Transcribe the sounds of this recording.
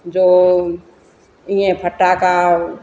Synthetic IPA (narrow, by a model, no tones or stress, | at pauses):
d͡ʒoː | ĩẽpʰəʈːaka